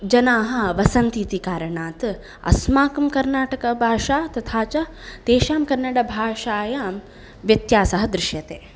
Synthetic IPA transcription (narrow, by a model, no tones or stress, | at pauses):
d͡ʒɐnaːɦɐ̆ʋɐsɐnt̪it̪ikaːɾɐɳaːt̪ | ɐ̰smaːkɐmkɐɾnaːʈɐkɐbʱaːʂaːt̪ɐt̪ʰaːt͡ʃɐ | t̪eːʃaːmkɐɾnɐɽɐbʱaːʂaːjaːm | ʋjɐt̪jaːsɐɦɐd̪ɾɪʃjɐt̪eː